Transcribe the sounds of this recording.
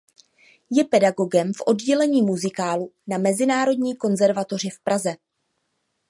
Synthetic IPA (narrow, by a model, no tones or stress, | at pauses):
jɛpɛdaɡo̞ɡɛmfʔo̞dɟɛlɛɲiːmuzɪkaːlunamɛzɪnaːɾo̞dɲiːko̞nzɛɾvat̪o̞r̝ɪfpɾazɛ